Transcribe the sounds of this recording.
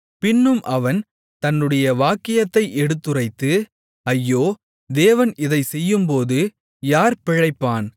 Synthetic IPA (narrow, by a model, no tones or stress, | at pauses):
pɪnːɯmʔɐʋɐn | t̪ɐnːɯɽɐjɐʋaːkːɪjɐt̪ːɐɪʔɛɽɯt̪ːɯrɐɪt̪ːɯ | ɐjːoː | d̪eːʋɐnʔɪðɐɪsɛjːɯmpoːðɯ | jaːɾpɪɻɐɪpːaːn